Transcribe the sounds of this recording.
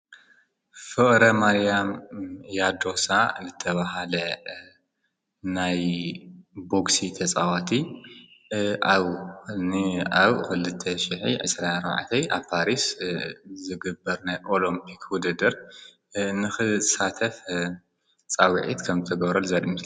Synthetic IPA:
fɨχʼɾɐmaɾijamjad̪o̞sazɨt̪ʰɐβaɦalɐ | naj | bo̞ksit̪ʰɐt͡sʼawat̪ʰi | ʔaβnaβxɨlɨt̪ʰːɐʃɪħḭʕɨ̰sɾaaɾba̰ʕt̪ʰɐjʔaβpʰaɾis | zɨɡɨbːɐɾnajʔolimpʰikʰwʊd̪ɨd̪ɐɾ | nɨxɨsat̪ʰɐf | t͡sʼawʕḭt̪kʰɐmzɨt̪ʰɐɡɐβɾɐlzɐd̪m

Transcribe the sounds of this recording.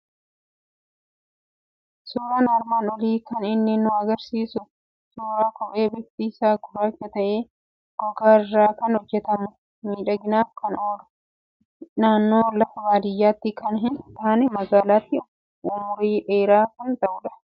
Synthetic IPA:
suːɾaːnaɾmaːnɔliːkɐnɪnːɪnːʊɐɡɐɾsiːsʊ | suːɾaːkɔpʼeːbɪft̪iːsaːɡʊɾɐt͡ʃːɐt̪ɐʔe̞ː | ɡ̥ɔɡaːɪrːaːkɐnhɔd͡ʒːɛt̪ɐmʊ | miːᶑɐɡɪnaːfkɐnoːɾʊ̥ | naːnːoːlɐfɐbaːd̪ɪjːaːt̪ːikɐnɦɪnt̪aːnɛmɐɡaːlaːt̪ːɪ | ʊmʊɾiːʔeːɾaːkɐnt̪ʼɐʔʊᶑɐ̥

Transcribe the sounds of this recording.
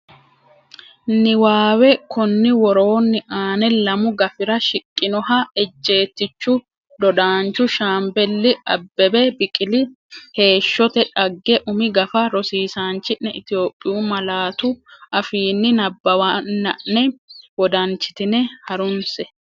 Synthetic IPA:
nɪwaːwɛkʊnːɪwɔɾo̞ːnːɪʔaːnɛlɐmʊɡɐfɪɾɐʃɪkʼːɪnɔhɐɛd͡ʒːe̞ːt̪ːɪt͡ʃːʊ | d̪ɔd̪aːnt͡ʃːʊʃaːmbɛlːɪɐbːɛbɛbɪkʼɪlɪ | he̞ːʃːɔt̪ɛᶑɐɡːɛʔʊmɪɡɐfɐɾɔsiːsaːnt͡ʃːɪnːɛɪt̪ɪjoːpʼːɪjuːmɐlaːt̪ʊʔɐfiːnːɪnɐbːɐwanːɐnːɛwɔd̪ɐnt͡ʃːɪ̥t̪ɪnɛhɐɾʊnsɛ

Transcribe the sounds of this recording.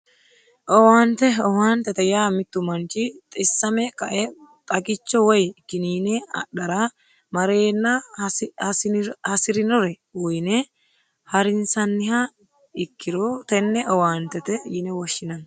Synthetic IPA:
ʔɔwaːnt̪ɛɔwaːnt̪ɛt̪ɛjaːmɪt̪ːʊmɐnt͡ʃɪt̪ʼɪsːɐmɛkɐʔɛt̪ʼɐkʼɪt͡ʃːɔwɔjkɪniːnɛɐ̰ɗɐɾa | mɐɾe̞ːnːɐhhɐsɪɾɪnɔɾɛ | wɔjnɛ | hɐɾɪnsɐnːɪha | ɪkʰːɪɾoːt̪ɛnːɛʔɔwaːnt̪ɛt̪ɛjɪnɛwɔʃːɪnɐn

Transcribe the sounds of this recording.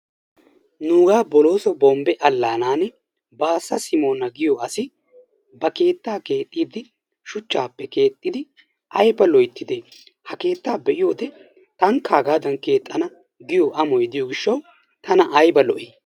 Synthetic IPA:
nuːɡaːbɔlo̞ːsɔbɔmbɛʔɐlːaːnaːnɛ | baːsːɐsɪmo̞ːnɐɡɪjɔɐsɪ | bɐke̞ːt̪ːaːke̞ːt̪ʼːiːd̪ɪ | ʃʊt͡ʃːaːpːɛke̞ːt̪ʼːɪd̪ɪ | ʔɐjbɐlɔjt̪ːɪd̪e | hɐke̞ːt̪ːaːbɛʔɪjo̞ːd̪ɛ | t̪ɐŋkːaːɡaːd̪ɐnke̞ːt̪ʼːɐnɐ | ɡɪjoʔɐmɔjd̪ɪjoːɡɪʃːɐw | t̪ɐnɐʔɐjbɐlɔʔeː

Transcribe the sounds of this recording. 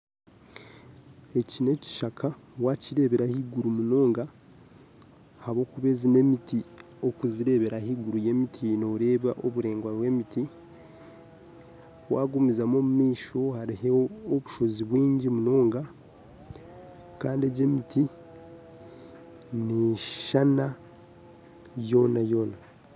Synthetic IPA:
e̞cine̞ci̥ʃakʰawaciɾe̞βe̞ɾahiɡuɾumuno̞ːŋɡa | haβo̞ːkuβe̞zine̞miti | o̞kuziɾe̞βe̞ɾahiɡuɾuje̞mitʰino̞ɾe̞ːβaʔoβuɾe̞ːŋɡwaβwe̞miti | owa̰ːɡumizamo̞mumiːʃo̞haɾiɦeːβuʃo̞ziβwiːɲɟimuno̞ːŋɡa | kaːndie̞ɟe̞mitʰi | neʃana | jo̞ːnajo̞ːna

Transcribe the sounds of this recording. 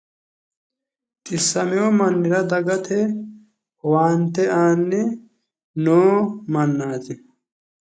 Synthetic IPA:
t̪ʼɪsːɐmɛwɔmɐnːɪɾɐd̪ɐɡɐt̪ʰɛ | waːnt̪ɛʔaːnːɛ | noːmɐnːaːzɪ

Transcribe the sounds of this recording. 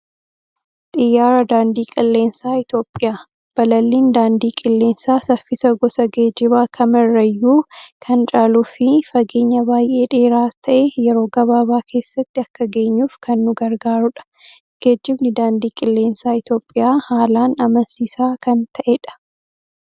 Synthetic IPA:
t̪ʼɪjːaːɾɐd̪aːnd̪iːkʼɪlːe̞ːnsaːɪt̪jo̞ːpʼːɪjaː | b̥ɐlɐlːiːnd̪aːnd̪iːkʼɪlːe̞ːnsaːsɐfɪsɐɡɔsɐɡe̞ːd͡ʒɪβaːkʰɐmɪrːɐjːuːkʰɐnt͡ʃʼaːluːfɪfɐɡe̞ːɲːɐbaːjʔe̞ːᶑe̞ːɾaːt̪ʰɐʔɛjɛɾo̞ːɡɐβaːbaːkʰe̞ːsːɐt̪ːɪɐkːɐɡe̞ːɲːuːfkʰɐnːʊɡɐɾɡaːɾʊᶑɐ̥ | ɡ̥e̞ːd͡ʒːɪbnɪd̪aːnd̪iːkʼɪlːe̞ːnsaːɪt̪jo̞ːpʼːɪjaːhaːlaːnɐmɐnsiːsaːkɐnt̪ʰɐʔɛᶑɐ̥

